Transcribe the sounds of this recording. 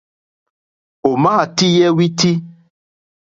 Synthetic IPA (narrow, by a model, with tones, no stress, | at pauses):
o˨mãː˦˨ti˦jɛ˦wi˦ti˦